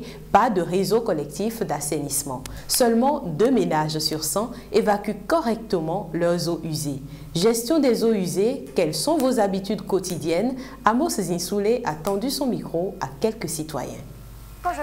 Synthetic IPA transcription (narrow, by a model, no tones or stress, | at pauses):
pad̪əʁezokɔlɛk̚t̪ifd̪asenismɑ̰̃ | sœlmɑ̃d̪ømenaʒsyʁsɑ̃ | evakʲykɔʁɛk̚t̪əmɑ̃lœʁzoʔyze | ʒɛst̪jɔ̃d̪ɛzoyzekɛlsɔ̃vozabit̪yd̪kot̪id̪jɛn | amoszɛ̃suleʔat̪ɑ̃d̪ysɔ̃mikχoakʲɛlkəsit̪wa̰jɛ̰̃